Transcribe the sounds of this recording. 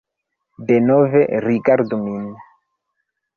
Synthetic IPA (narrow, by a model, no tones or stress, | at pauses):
denoveɾikaɾdumin